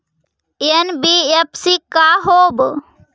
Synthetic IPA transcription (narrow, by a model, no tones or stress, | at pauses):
enbiepsikaɦoːb